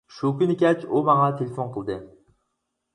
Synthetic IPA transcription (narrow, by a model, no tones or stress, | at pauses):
ʃʊkʲʊnɪkʲat͡ʃʰʊmaŋat̪ʰelefonqʰɨlˠd̪ɪ